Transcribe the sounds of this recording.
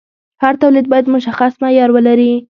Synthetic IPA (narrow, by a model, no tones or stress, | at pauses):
haɾt̪awlid̪̚bɑjad̪mʊʃaxasmajɑɾwəlaɾi